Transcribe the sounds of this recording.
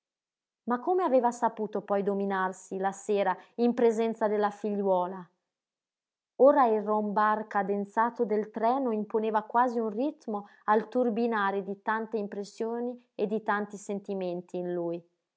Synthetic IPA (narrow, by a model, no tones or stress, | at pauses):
makːomeaveːvasapuːt̪opɔjd̪ominarsilaseːɾaimpɾezɛnt̪sad̪elːafiʎːwɔːla | oːɾairombarkad̪ent̪saːt̪od̪elt̪ɾɛːnoimponeːvakwaːziunrit̪mo | alt̪urbinaːɾed̪it̪ant̪eimpɾesːjoːni | ed̪it̪ant̪isent̪imɛnt̪ʰiːnluj